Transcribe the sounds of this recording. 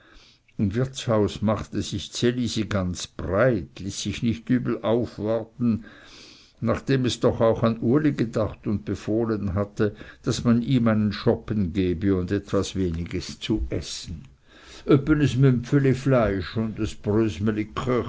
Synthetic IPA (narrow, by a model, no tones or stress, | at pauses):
ɪmvɪʁt͡shaʊsmaχtəz̥ɪçt͡seliːziɡant͡sb̥ʁaɪtliːsːɪçnɪçtyːbl̩ʔaʊfvaʁtn̩ | naχd̥eːmɛsd̥ɔχaʊxanuːɐliɡədaχtʊnt̚b̥əfoːlənɦatəd̥asmaniːmaɪnənʃɔpənɡeːbəʊndɛtv̥asveːnɪɡəst͡suʔɛsn̩ | ʔœpənəsmʏmfəliflaɪʃʊndasb̥ʁøːzməlikʁœ